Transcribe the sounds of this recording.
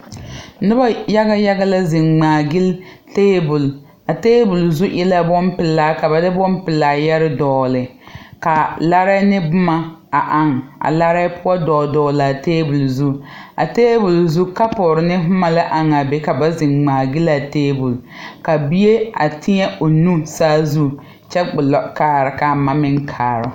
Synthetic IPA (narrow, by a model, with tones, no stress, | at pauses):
nʊ˦ba˦ja˦ɣa˦ja˦ɣa˦la˦zɪ˨ŋŋ͡maː˨ɡɪ˦lteː˦bʊ˨l | a˨teː˦bʊ˨lzu˦ʔɛ˦la˦bɔ˦npɪ˨lːaː˦ka˨ba˨dɪ˦bɔ˦mpɪ˨lːaː˨jɛ˦ɾɪ˦dɔː˨lɪ˨ka˨la˦ɾa˦nɪ˦bʊ˦ma˦a˨ʔa˨ŋa̰˨la˦ɾa˦pʊ˦ɔ˦dɔː˨dɔː˨la˨teː˦bʊ˨lzu˦a̰˨teː˦bʊ˨lzu˦ka˦pʊ˨ɾɪ˨nɪ˦ɦʊ˦ma˨la˦ʔa˨ŋa˨be˦ka˨ba˦zɪ˨ŋŋ͡maː˨ɡɪ˦la˨teː˦bʊ˨lka˨bi˦je˦a̰˨tʰɪ˦ɲɛ˦ʔo˨nu˦saː˦zu˦ | t͡ʃɛ˦ɡ͡bʊ˨lɔ˦kaː˦˨ɾɪ˨ka˨ma˦mɪ˦ŋkʰaː˨ɾʊ˦